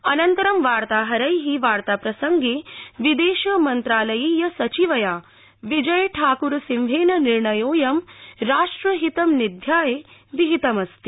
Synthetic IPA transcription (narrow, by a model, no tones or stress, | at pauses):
ɐnɐnt̪ɐɾɐmʋaːɾt̪aːɦɐɾɐjɦiʋaːɾt̪aːpɾɐsɐŋɡeːʋid̪eːʃɐmɐnt̪ɾaːlɐjiːjɐsɐt͡ʃiʋɐjaː | ʋid͡ʒɐjɐʈʰaːkuɾsimʋʱeːnɐniɾɳɐjoːjɐmɾaːʂʈɾɐɦit̪ɐmnid̪ʱjaːjeʋiɦit̪ɐmɐst̪i